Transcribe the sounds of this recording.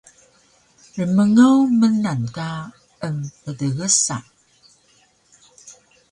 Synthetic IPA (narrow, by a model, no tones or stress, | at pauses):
rəməŋəwmənanka | əmpədəɣəsa̰